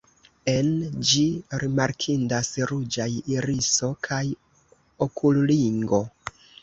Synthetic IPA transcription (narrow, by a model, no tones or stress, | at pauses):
e̞nd͡ʒiɾimaɾkʰindasɾud͡ʒajiɾiso̞kʰaj | okʰulliŋɡo̞